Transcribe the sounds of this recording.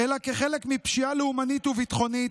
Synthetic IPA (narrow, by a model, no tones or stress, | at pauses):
elakeχe̞lekmipʃialeumanit̪uvit̪χo̞nit̪